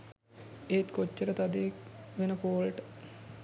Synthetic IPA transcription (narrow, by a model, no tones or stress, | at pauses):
eːt̪kot͡ʃːəɾət̪ad̪eekʋenəpoːlʈə̥